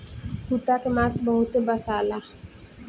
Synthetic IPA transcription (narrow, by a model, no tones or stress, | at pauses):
hut̪akemasbəɦut̪ebasala